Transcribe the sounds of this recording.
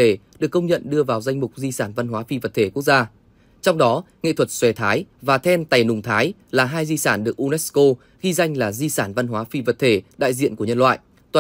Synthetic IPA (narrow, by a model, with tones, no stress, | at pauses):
e˧˩ɗɨ˨˩əkːə˧wŋ͡mɲə̰˧˨nɗɨ˧əvaː˨˩wza˧jŋ̟mʊ˨˩k͡p̚zi˧saː˧˩nva˧nɦwaː˨˦fi˧və˨˩t̚t̪ʰe˧˩ku˦˥ək̚zaː˧ | t͡ɕɔ˧wŋ͡mɗɔ˨˦ŋḛ˧˨t̪ʰwə˨˩t̚swɛ˨˩t̪ʰaː˨˦jvaː˨˩t̪ʰɛ˧nt̪a˨˩jnʊ˨˩ŋ͡mt̪ʰaː˨˦j | laː˨˩ɦaː˧jzi˧saː˧˩nɗɨ˨˩ək̚ʔu˧nɛ˦˥sko˧ | xi˧za˧jŋ̟laː˨˩zi˧saː˧˩nva˧nɦwaː˨˦fi˧və˨˩t̚t̪ʰe˧˩ɗa̰ː˧˨jzḭ˧˨ənku˧˩əɲə˧nlwa̰ː˧˨jʔ | t̪waː˨